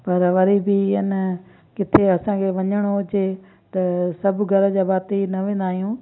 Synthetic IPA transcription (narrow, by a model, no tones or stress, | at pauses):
pɐɾʋɐɾibiɪn | kɪt̪ʰeɐsãkʰeʋɐɲəɽ̃od͡ʑe | t̪ɐsɐbɡʱɐɾəd͡ʑaːbaːt̪inɐʋẽːnd̪aːɦijũː